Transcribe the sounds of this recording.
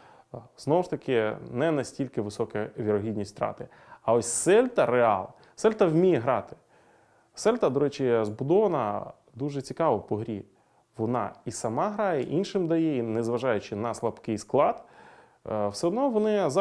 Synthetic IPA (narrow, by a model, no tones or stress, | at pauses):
z̥nɔwʊʃt̪ɐkɪnɛnɐsʲtʲilʲkɪʋɪsɔkɐʋʲiɾɔɦʲidʲnʲisʲt̪ɾɑ̰t̪ɪ | ɐɔsʲsɛlʲt̪ɐɾeɑ̰lˠ | sɛlʲt̪ɐwmʲijɛɦɾɑt̪ɪ̥ | sɛlʲt̪ɐd̪ɔɾɛt͡ʃɪzbʊd̪ɔʋɐnɐ | d̪uʒɛt͡sʲikɑʋɔpɔɦɾʲḭ | ʋɔnɑ̰isɐmɑɦɾɑjɛʔinʃɪmd̪ɐjɛinɛzʋɐʒɑjʊt͡ʃɪnɐslˠɐbkɪjsklˠɑd̪ | wsɛɔd̪nɔʋɔnɪz